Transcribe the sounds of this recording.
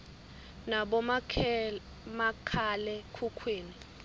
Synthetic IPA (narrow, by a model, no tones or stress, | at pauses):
naɓɔ | makʰalɛkʰukʰwiːni